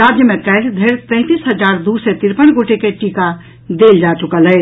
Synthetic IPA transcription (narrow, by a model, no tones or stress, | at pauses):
ɾaːd͡ʒjəmẽkɛːld̪ʱeːɾpɛ̃ːt̪iːsɦəd͡ʒaːɾd̪uset̪ɪɾpənɡoʈekeʈiːka | d̪eːld͡ʒaːt͡ʃʊkəlɦɛː